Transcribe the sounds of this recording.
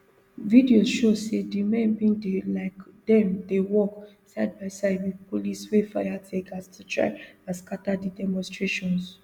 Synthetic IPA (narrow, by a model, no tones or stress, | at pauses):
vidiozʃosedimɛ̃nbĩŋdelaɪkdɛ̃mdewɔk | saɪd̚baɪsaɪd̚wipʰoliswefajatʰekastʰutʰɹa̰ɪãnskatadidɛmɔ̃nstɹeʃɔ̃ns